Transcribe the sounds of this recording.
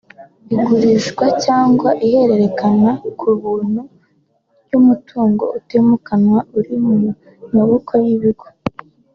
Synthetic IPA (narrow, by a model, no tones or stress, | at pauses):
iɡuɾiʃɡwacaːŋɡwaʔihe̞ɾe̞ɾe̞kanakʰuβuːn̥hu | ɟumutʰuːŋɡo̞̰ʔutemukanwauɾimu | maβokʰojiβiɡo